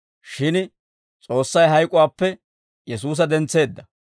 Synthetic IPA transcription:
ʃɪn | t͡sʼo̞ːsːɐjɦɐjkʼʊwaːpːɛ | jɛsuːs̬ɐd̪ɛnt͡sːe̞ːd̪ːɐ

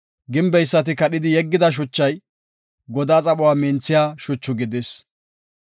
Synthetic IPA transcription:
ɡɪmbɛjsːɐt̪̬ɪkɐɗɪd̪ɪjɛɡːɪd̪ɐʃ̬ʊt͡ʃːɐj | ɡɔd̪aːt͡sʼɐɓʊwaːmɪnt͡sːɪjaːʃʊt͡ʃːʊɡɪd̪ɪs

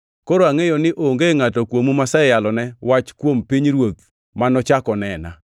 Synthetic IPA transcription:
koɾoaŋejonɪʔoŋɡeŋatɔkwomumasaɛjalɔnɛwat͡ʃkwompiɲɾwot̪̚ | manɔt͡ʃakɔnɛna̰

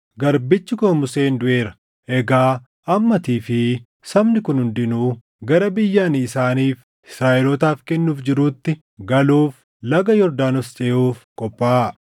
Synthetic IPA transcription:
ɡɐɾbɪt͡ʃːɪkʊmʊse̞ːnd̪ʊʔe̞ːɾɐ̥ | ʔɛɡaː | ʔɐmːɐt̪iːfɪ | sɐmnɪkʊnhʊnd̪ɪnuː | ɡɐɾɐbɪjːaːniːsaːniːf | ɪsɾaːʔɛlɔt̪aːfkɛnːuːfd͡ʒɪɾuːt̪ːɪ | ɡɐluːf | lɐɡɐjɔɾd̪aːnɔst͡ʃʼɛːuːfkʼɔpʼːaː

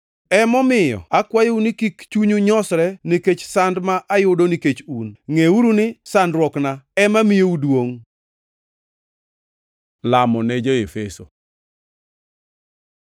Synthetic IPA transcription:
ɛmɔmɪjɔ̰akwajounikikt͡ʃuɲuɲɔsɾɛniket͡ʃsandmaʔajʊdoniket͡ʃunŋeuɾunɪsandɾwɔknaɛmamijeudwoŋ | lamɔned͡ʒoefeso

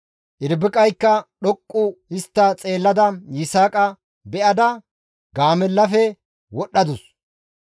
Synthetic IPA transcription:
ʔɪɾbɪkʼɐjkːɐɗɔkʼːʊɪst̪ːɐt͡sʼe̞ːlːɐd̪ɐjɪsaːkʼɐ | bɛʔɐd̪ɐ | ɡaːmɛlːɐfɛ | wɔɗːɐd̪ʊs

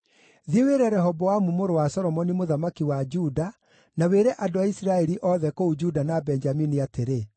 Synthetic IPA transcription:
ðieweɾɛɾɛɦɔbɔamumoɾowasɔɾɔmɔnimoðamakiwad͡ʒuda | naweɾɛʔadoaisiɾaɛɾiʔɔðɛkoud͡ʒudanabɛnd͡ʒaminiateɾe

